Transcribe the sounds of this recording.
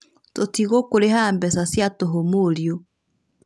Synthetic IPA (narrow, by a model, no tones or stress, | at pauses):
totiɣokoɾehaːmbɛsasjatoɦomoɾijo